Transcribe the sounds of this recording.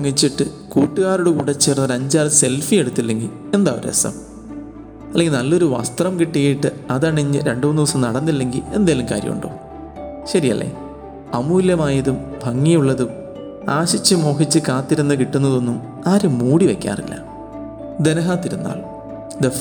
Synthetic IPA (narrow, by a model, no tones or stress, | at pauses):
ɐŋːit͡ɕːiʈːɨ | kuːʈːɨɣaːruɽukuːɽɐt͡ɕːeːrnːɐɾɐɲd͡ʑaːlse̞lfije̞ɽut̪ːilːe̞ŋɡil | e̞nd̪aːoɾḛsɐ̰m | ɐlːeŋɡilnɐlːo̞ɾuʋɐ̰st̪rɐmkiʈːiɣɐjiʈːɨɐðɐɳiɲːɨɾe̞ɳɖɨnːiʋɐsɐmnɐɽɐnːilːe̞ŋɡile̞̰nd̪eːlːɐmka̰ːɾjɐ̰mṵɳɖo̰ː | ɕɐɾijɐ̰lːḛː | ɐmuːljɐmaːjɐðumbʱɐŋːijuɭːɐðum | aːɕit͡ɕːɨmo̞ːɦit͡ɕːɨkaːt̪ːiɾunːɨkiʈːunːɐðo̞nːum | aːɾumːuːɽiʋekʲːa̰ːrḭlːɐ̰ | d̪enɐɦaːt̪ːiɾunːa̰ːl | d̪e